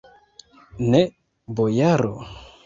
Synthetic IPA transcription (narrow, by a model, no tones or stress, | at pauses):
ne | bojaɾo̰